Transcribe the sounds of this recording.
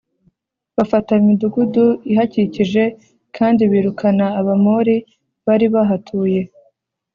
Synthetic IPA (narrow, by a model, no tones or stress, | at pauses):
βafataimiduɡuduiɦaciciʒe̞ | kʰaːndiβiːɾukʰanaːβamoɾi | βaɾiβaɦatʰuːje̞